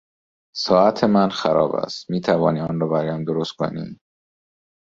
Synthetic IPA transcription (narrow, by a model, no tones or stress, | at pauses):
sɒːæt̪ʰemænxæɾɒːbæ̰st̪miːt̪ʰævɒːniːɒːnɾɒːbæɾɒːjæmd̪oɾost̪̚kʰo̰nḭ